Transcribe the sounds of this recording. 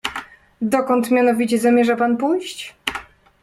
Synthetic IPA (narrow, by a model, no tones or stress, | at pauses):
d̪ɔkɔnt̪mʲjanɔvʲit͡ɕɛzamʲjɛʐapanpujɕt͡ɕ